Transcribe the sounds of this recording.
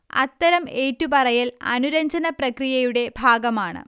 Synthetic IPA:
ɐ̰t̪ːɐɾɐme̞ːtːupɐrɐjilɐ̰nuɾɐɲd͡ʑɐnɐprɐkrijɐjuɽe̞bʱaːɡɐmaːɳɨ̰

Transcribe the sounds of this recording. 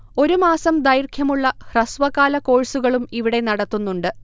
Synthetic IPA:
o̞ɾumaːsɐmd̪ɐjrkʰjɐmuɭːɐhrɐsʋɐɣaːlɐko̞ːɻsuɣɐɭumiʋiɽe̞nɐɽɐt̪ːunːuɳɖɨ

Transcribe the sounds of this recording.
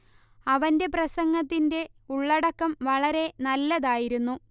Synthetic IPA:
ɐʋɐnde̞prɐsɐŋɡɐt̪ːinde̞ | uɭːɐɽɐkːɐmʋɐɭɐɾe̞nɐlːɐðaːjiɾunːu

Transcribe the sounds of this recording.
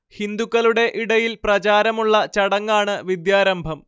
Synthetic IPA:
hind̪ukːɐluɽe̞ʔiɽɐjilprɐt͡ɕaːɾɐmuɭːɐt͡ɕɐɽɐŋːaːɳɨʋid̪jaːɾɐmbʱɐm

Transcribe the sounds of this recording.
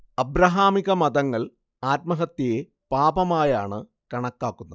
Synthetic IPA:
ɐbɾɐɦaːmiɣɐmɐd̪ɐŋːɐɭ | aːt̪̚mɐɦɐt̪ːije | paːbɐmaːjaːɳɨ | kɐɳɐkːaːkːunːɐ

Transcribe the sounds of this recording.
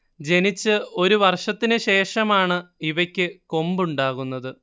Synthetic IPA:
d͡ʑe̞nit͡ɕːɨo̞ɾuʋɐrʂɐt̪ːinɨɕe̞ːʂɐmaːɳɨiʋɐkʲːɨko̞mbuɳɖaːɣunːɐðɨ

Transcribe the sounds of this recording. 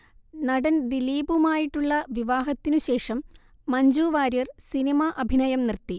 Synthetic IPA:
nɐɽɐnd̪iliːbumaːjiʈːuɭːɐʋiʋaːɦɐt̪ːinuɕe̞ːʂɐmː | ɐɲd͡ʑuːʋaːɾjɐrsinimɐʔɐbʱinɐjɐmnirt̪ːi

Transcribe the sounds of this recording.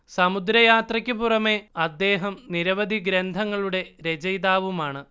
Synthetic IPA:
sɐmud̪ɾɐjaːt̪rɐkʲːɨpurɐme̞ɐd̪ːe̞ːɦɐmniɾɐʋɐd̪ʱiɡɾend̪ʱɐŋːɐɭuɽe̞ɾed͡ʑɐjðaːʋumaːɳɨ

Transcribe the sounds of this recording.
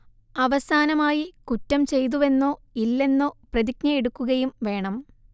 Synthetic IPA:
ɐʋɐsaːnɐmaːjikutːɐmt͡ɕe̞jt̪̬uʋe̞nːo̞ːilːe̞nːo̞ːprɐðiknɐeɽukːuɣɐjumʋe̞ːɳɐm

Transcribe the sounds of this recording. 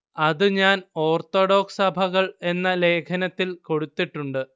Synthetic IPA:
ɐðɨɲaːno̞ːrt̪o̞ɽo̞ːksɐbʱɐɣɐɭe̞nːɐle̞ːkʰɐnɐt̪ːilko̞ɽut̪ːiʈːuɳɖɨ

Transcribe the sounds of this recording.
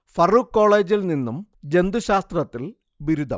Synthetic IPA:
fɐrukːo̞ːɭeːd͡ʑilninːum | d͡ʑe̞nd̪uɕaːst̪rɐt̪ːil | ʋiɾud̪ʱɐ̰m

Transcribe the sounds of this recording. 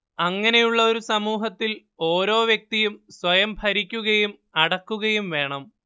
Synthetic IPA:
ɐŋːɐne̞juɭːɐo̞ɾusɐmuːɦɐt̪ːil | o̞ːɾo̞ːʋjɐk̚t̪ijumswɐjɐmbʰʱɐɾikʲːuɣɐjum | ɐɽɐkːuɣɐjumʋe̞ːɳɐm

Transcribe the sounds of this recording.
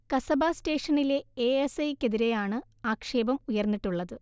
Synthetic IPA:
kɐsɐbaːste̞ːʂɐnileeesɐjkːeðiɾe̞jaːɳɨ | aːkʂe̞ːbɐmujɐrnːiʈːuɭːɐðɨ

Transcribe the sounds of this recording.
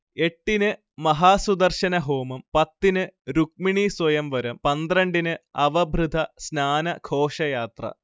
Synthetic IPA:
e̞ʈːinɨ | mɐɦaːsud̪ɐrɕɐnɐɦo̞ːmɐmpɐt̪ːinɨɾuk̚miɳiswɐjɐmʋɐɾɐmpɐnd̪rɐɳɖinɨɐʋɐbʱrɨd̪ʱɐsnaːnɐkʰo̞ːʂɐjaːt̪rɐ̰

